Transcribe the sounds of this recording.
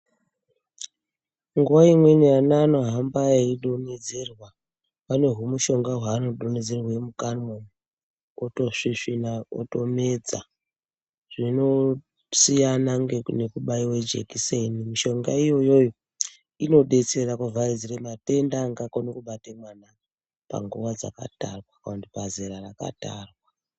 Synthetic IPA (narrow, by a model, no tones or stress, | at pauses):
ŋɡuwaimwenejanano̞ɦambajeiɗo̞ned͡ze̞rwa | pane̞ɦumuʃo̞ŋɡaɦwaːno̞ɗoned͡ze̞rwemukarmon | otoʂiʂinao̰to̞me̞d͡za | ʐ̥ino̞ | sijanaŋɡene̞kuɓaiwe̞d͡ʒḛkisenimiʃo̞ŋɡaijo̞jo̞jo | ino̞ɗe̞t͡se̞rakuvaid͡ziremate̞ndaŋɡakonokuɓatemwana | pa̰ŋɡuʋad͡za̰ka̰tarwakaantipazeɾaraka̰ta̰rwa